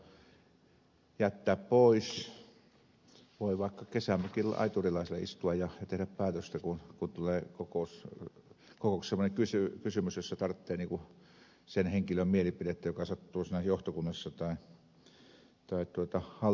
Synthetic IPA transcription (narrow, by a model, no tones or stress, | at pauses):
jæt̪ːæːppoˑis | ʋoˑiʋɑˑikːɑkesæmpækilɑ̰it̪urilɑˑisilːeʔḭst̪uɑjjɑjɑt̪ehɾæppæːt̪øst̪ækunkunt̪uleːkokoˑus | kokoˑussemːˑoneŋkysykysymysjosːɑt̪ɑrt̪ːeːniːŋku | senheŋkilømmielipiɾet̪ːæjokɑsɑt̪ːuːsiːnæjoht̪okunːɑsːɑt̪ɑˑi | t̪ɑˑit̪uot̪ɑhɑ